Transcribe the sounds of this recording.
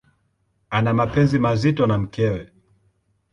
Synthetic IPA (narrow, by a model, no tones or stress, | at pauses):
anamapɛnzimazitɔnam̩kɛwɛ